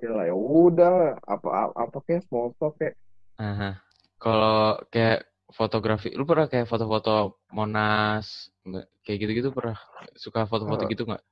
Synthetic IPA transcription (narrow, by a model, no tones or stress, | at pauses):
kalajaudaa̰pa̰a̰pakajasmɔt̪ɔkajʔ | aɦa | kalokaja | fot̪oɡɾafḭlupərnahkajaʔfot̪ofot̪o | monas | kajaʔɡit̪uɡit̪upərnahsukafot̪ofot̪oɡit̪uŋɡa̰ʔ